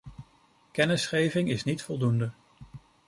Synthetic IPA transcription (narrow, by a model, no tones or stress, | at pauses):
kɛnəsχejvɪŋɪsnitfɔlˠdundə